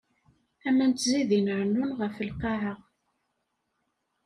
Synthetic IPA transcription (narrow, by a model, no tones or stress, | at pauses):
æmænt̪ziðinʕənːunʁəfəlqɑʕəʁ